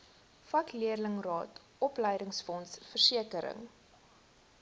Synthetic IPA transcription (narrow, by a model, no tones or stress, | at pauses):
fɐkliərləŋrɑːt | ʔɔpləjdəŋsfɔnsfərsiəkəɾə̰ŋ